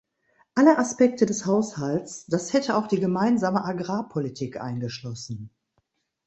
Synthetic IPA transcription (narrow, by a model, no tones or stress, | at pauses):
ʔaləʔaspɛk̚tʰədɛshaʊshaltt͡sd̥ashɛtʰəaʊxd̥iːɡəmaɪnzaːməʔaɡʁaːpʰolitʰiːkʔa̰ɪnɡəʃlɔsn̩